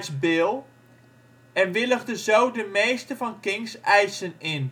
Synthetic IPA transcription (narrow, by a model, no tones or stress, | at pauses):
sbɪːlˠ | ɛnʋɪləχdəzowdəmejstəvɑnkɪŋsɛjsənɪn